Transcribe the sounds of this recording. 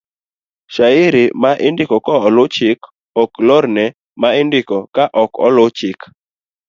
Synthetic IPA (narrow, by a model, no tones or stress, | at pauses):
ʃaɪɾɪmaʔɪndɪkɔkɔɔlʊt͡ʃɪk | ɔklɔɾnɛ | maɪndɪkɔkaʔɔkɔ̰lʊt͡ʃɪk